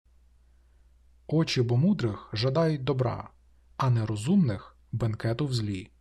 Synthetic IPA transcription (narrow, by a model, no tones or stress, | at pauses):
ɔt͡ʃɪbɔmud̪ɾɪxʒɐd̪ɑjʊt̚ʲd̪ɔbɾɑ̰ | ɐnɛɾɔzumnɪx | bɐnkɛt̪ʊwzʲlʲi